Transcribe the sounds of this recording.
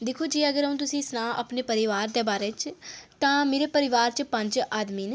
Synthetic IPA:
d̪ɪkʰoːd͡ʒiːəɡəɾəɦũːt̪̬ʊsĩːsnãːʔə̰pneːpəɾɪʋaːɾd̪eːbaːɾeːt͡ʃt̪ãːmeːɾeːpəɾɪʋaːɾt͡ʃpə̃ɲd͡ʒaːd̪miːn

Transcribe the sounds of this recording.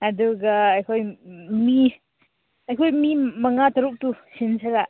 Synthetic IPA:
ɐduɡɐːjkʰojmi | ɐjkʰojmimɐŋatɐɾuk̚tusinsɐɾa

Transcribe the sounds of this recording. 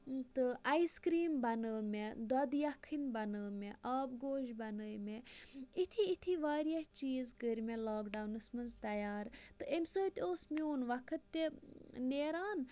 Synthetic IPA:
t̪ɨʔɐiskɾiːmbɐnəːmed̪ɔd̪jɐkʰːinbɐnəːmeʔaːbɡoːʃbɐnəːjmeit̪ʰiit̪ʰiʋaːɾijɐt͡ʃiːzkəɾʲmẽlaːkɖawnɨsmɐnzt̪ɐjaːɾt̪ɨemʲsoːt̪ʲoːsmʲuːnʋɐkʰɨt̪ːeneːɾaːn

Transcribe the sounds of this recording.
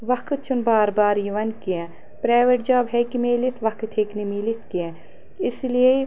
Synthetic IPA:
ʋɐkt̪̚t͡ʃʰunbaːɾbaːɾjiʋɐnkiɛ̃ | pɾaːʋeʈ̚d͡ʒaːbɦɛkimeːlit̪ʰʋɐkt̪ʰeːknimiːlit̪ʰkiɛ̃ | ɪslie

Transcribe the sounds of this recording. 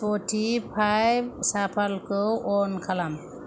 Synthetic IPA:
poʈʰipʰajbsapʰalkɔɔnkʰalam

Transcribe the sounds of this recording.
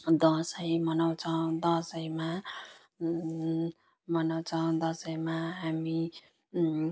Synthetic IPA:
d̪ʌsʌjmʌnʌw̃t͡sʰʌw̃d̪ʌsʌjma | mʌnʌw̃t͡sʰʌw̃d̪ʌsʌjmaɦami

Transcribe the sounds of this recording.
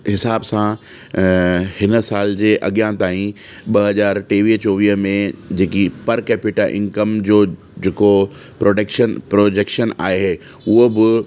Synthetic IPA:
ɦɪsaːbsã | hɪnə̆saːld͡ʑeːʔɐɠjãt̪aːĩ | ɓɐɦɐzaːɾʈeːʋiːɦt͡ɕoːʋiːɦmẽd͡ʑeːkipɐɾkɛːpɪʈaʔɪ̰̃ŋkəmd͡ʑoː | d͡ʑeːko | pɾoːɖekʃənpɾoːd͡ʑeːkʃəna̰ːeɦeː | ʊɦobɪ

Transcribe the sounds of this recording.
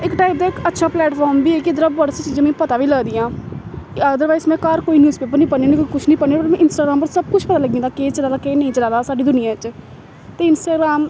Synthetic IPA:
ɪkʈaːɪp̚d̪aːɪkətːʃʰaːplɛːʈfʰɔːɾmbiːɛːkɪəd̪əɾaːbbəɽset͡ʃiːd͡ʒãːmɛ̃ːpət̪aːʋiːləɡd̪iːãː | aːd̪əɾʋaːizmɛ̃ːkaɾkoːiːnjuːspeːp̬əɾnĩːpəeːnĩkoikʊt͡ʃʰnĩːpəneːbəʈmɛ̃ːʔɪnsʈaːɡɾaːmpəɾsəb̚kʊt͡ʃʰpət̪aːləɡːĩd̪aːkeːt͡ʃəlãːd̪aːkeːnəĩːt͡ʃəlãːd̪aːsaːɖiːd̪ʊnɪjãːɪt͡ʃ | t̪eːɪnsʈaːɡɾaːm

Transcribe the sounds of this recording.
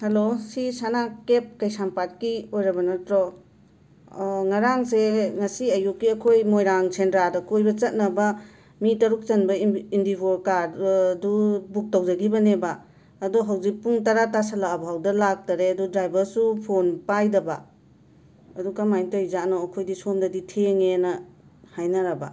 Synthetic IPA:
hɐlosisanakep̚kɐjsampat̚kiojɾɐbɐnɐtɾɔ | ŋɐɾaŋseŋɐsiɐjukːiɐkʰojmojɾaŋsʰendɾadɐkojbɐt͡ʃɐt̚nɐbɐ | mitɐɾuk̚t͡ʃɐnbɐindiboɾkaɾdubuk̚tɐwd͡ʒɐɡibɐnebaː | duɦawzik̚puŋtɐɾatasɐlaːbʱawdɐlak̚taɾeɐdudɾajbɐɾsupʰonpajdɐba | ɐduɡɐmajtojzanɔɐkʰojdisomdɐditʰeŋenɐ | hajnɐɾɐba̰

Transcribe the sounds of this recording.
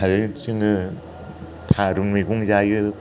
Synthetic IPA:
aɾɯsɯŋɯ | t̪ʰaɾuŋmiɡuŋzajɯ

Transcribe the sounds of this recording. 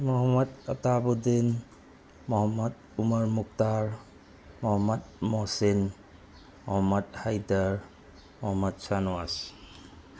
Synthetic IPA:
mɔɦɔmɔd̪atabud̪in | mɔɦɔmːɔd | umaɹmuk̚taɹ | mɔɦɔmɔd̪̚mɔsin | mɔɦɔmːɔd̚hajdaɹ | mɔɦɔmːɔt̪̚sanɔas

